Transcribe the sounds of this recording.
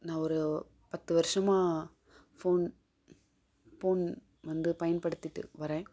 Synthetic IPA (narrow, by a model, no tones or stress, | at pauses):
nãːɔɾɯ | pɐt̪ːɯʋɐɾɪʂɐmãː | foːn | foːn | ʋɐnd̪ɯpɐjɐnpɐɽɯt̪ːɪʈːɯ̰ʋɐɾẽː